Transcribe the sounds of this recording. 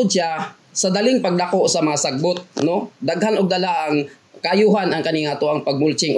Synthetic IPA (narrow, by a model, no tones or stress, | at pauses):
ʊʃa | sɐd̪alɪŋpɐɡ̚lɐkoʔsɐmɐŋasɐɡ̚bʊt̪̚no̞d̪aɡhanoɡ̚d̪ɐlaʔɐŋ | kɐʔɐjuːhanɐŋkɐniːŋat̪oʔɐŋpɐɡ̚mʊlt͡ʃɪŋ